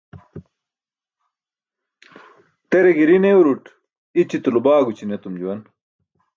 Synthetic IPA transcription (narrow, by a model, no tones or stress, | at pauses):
t̪eɾeɡiɾinewɾuʈ | it͡ɕit̪ulubaːɡut͡ɕʰinet̪umd͡ʑuwɐn